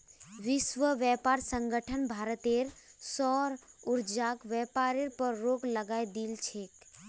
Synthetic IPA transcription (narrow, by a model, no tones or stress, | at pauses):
ʋɪʃʋəʋjɛːpaːɾsə̃ŋɡəʈʰənbʱaːɾət̪eɾsɔːɾʊɾd͡ʒaːkʋɛːpaːɾeɾpəɾːoːkləɡaːjd̪iːlt͡ʃʰeːk